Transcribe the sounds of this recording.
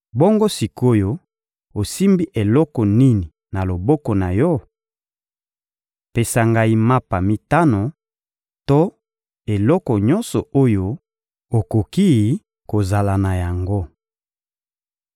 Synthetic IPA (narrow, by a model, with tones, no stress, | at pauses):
bɔ˦ŋɡo˦si˨ko˦jo˦ | o˨si˦mbi˦ʔe˨lɔ˦kɔ˨ni˦ni˨ | na˨lo˨bɔ˦kɔ˨na˨jɔ˦ | pe˨sa˨ŋɡa˦i˦ma˦pa˨mi˦ta˦no˨ | to˦ | e˨lɔ˦kɔ˨ɲɔ˦nsɔ˨o˦jo˦ | o˨ko˨ki˦˨ | ko˨za˨la˨na˨ja˨ŋɡo˦